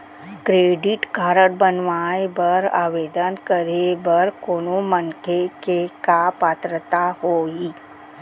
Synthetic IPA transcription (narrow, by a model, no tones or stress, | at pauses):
kɾeɖiʈkaɾəʈ̚bənʋajbəɾa̰ʋed̪ənkəɾebəɾkoɳ̃umənkʰekekapat̪ɾət̪aɦoi